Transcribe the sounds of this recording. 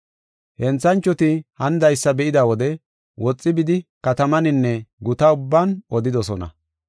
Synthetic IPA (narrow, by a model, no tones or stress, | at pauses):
hɛnt͡sːɐnt͡ʃːɔt̪ɪhɐnd̪ɐjsːɐbɛʔɪd̪awɔd̪ɛ | wɔt͡sʼːɪbɪd̪ɪkɐt̪ɐmɐnɪnːɛɡʊt̪ɐʊbːaːnʔɔd̪ɪd̪ɔsɔnɐ̰